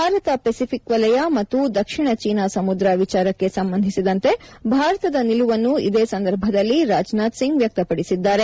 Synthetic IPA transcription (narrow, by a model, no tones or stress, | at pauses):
bʱaːɾɐt̪ɐpesipʰikʋɐlɐjamɐt̪ːud̪ɐkʂiɳɐt͡ʃiːnasɐmud̪ɾɐʋit͡ʃaːɾɐkːe̞sɐmbɐnd̪ʱisid̪ɐnt̪e̞bʱaːɾɐt̪ɐd̪ɐniluʋɐnːuḭd̪eːsɐnd̪ɐɾbʱɐd̪ɐlːiɾaːd͡ʒnaːt̪siŋɡʋjɐk̚t̪ɐpɐɽisid̪ːaːɾe̞